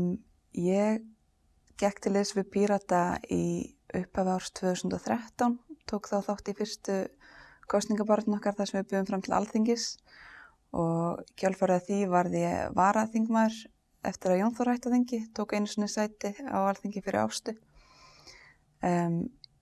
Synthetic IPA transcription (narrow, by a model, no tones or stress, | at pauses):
jɛɣ | cɛhkt̪ʰɪleːsvɪðpʰiːɾat̪aiʏ̰hpavawɾ̥st̪ʰv̥œːθusʏnt̪ɔθɾɛht̪awnt̪ʰoːwkθawθawht̪ifɪr̥st̪ʏkʰɔst̪niŋkapaɾt̪nɔhkaɾ̥θaðsɛmvɪðpʏːðʏmfɾamt̪ʰɪlʔa̰lθiɲcɪs | ɔɣcʰœlfœɾðaθivaɾðjɛ̰vaːɾaθiŋkmaːðʏɾ̥ | ɛ̰ft̪ɪɾaðjownθɔɾ̥hajht̪aθiɲcɪt̪ʰoːwkeːjnʏsvɛnːɪsaːjt̪ɪa̰walθiɲcɪfɪɾʔɪ̰ɾa̰wst̪ʏ | m